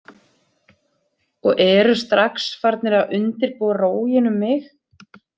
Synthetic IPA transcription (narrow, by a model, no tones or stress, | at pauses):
ɔɣʔɛːɾʏst̪ɾaksfaɾt̪̚nɪɾaðʏnt̪ɪɾpoːwaroːwjɪnʏmːɪx